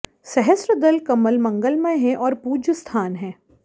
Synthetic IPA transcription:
sɛɦəsɾəd̪ɐlkɐməlmɐ̃ŋɡəlmə̃jɦɛ̃ʔɔːɾpuːd͡ʒəst̪ʰaːnɦɛ̃ː

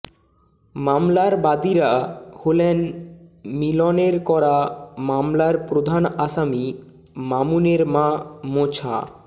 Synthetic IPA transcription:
mamlaɾbad̪iɾaholen | milɔneɾkɔɾamamlaɾpɾod̪ʱanaʃami | mamuneɾmãmot͡ɕʰa̰

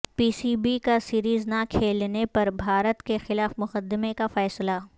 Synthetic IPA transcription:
piːsiːbikasiːɾiːznakʰeːlnepɐɾbʱaːɾət̪kexɪlaːfmʊqəd̪ːɪmekafɛːsla

